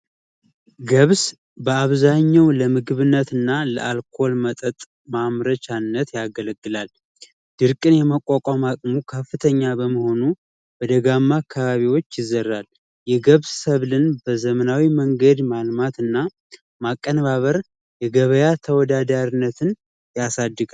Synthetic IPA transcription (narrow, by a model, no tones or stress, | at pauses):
ɡəβs | bəaβzaɲːawləmɨɡɨβɨnːət̪ɨnːalə̰ʔalkʰo̞lmət̪ʼət̪ʼ | mamɾət͡ʃanːət̪jaɡələɡːɨlal | d̪̥ɨɾkʼɨnjɛməkʼːakʼamakʼmukʰəfːɨt̪ʰəɲːabəməho̞nu | bəd̪əɡamːakʰːaβaβiwo̞t͡ʃːjɪzərːal | jɛɡəβssəβlɨnbəzəmənawiməŋɡəd̪malmat̪ɨnːa | makʼːənβaβəɾ | jɛɡəβəjat̪ʰəwɔd̪ad̪aɾinːət̪ʰɨn | jasad̪ːɨɡa